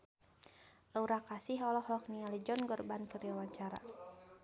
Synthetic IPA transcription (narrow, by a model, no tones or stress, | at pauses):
lauɾakasiɦɔlɔhɔk̚niŋalid͡ʒɔnɡɔrbankəriwawaɲt͡ʃaɾa̰